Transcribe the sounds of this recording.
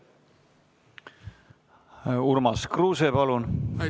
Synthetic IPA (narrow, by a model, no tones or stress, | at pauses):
urmɑskruːsepɑlun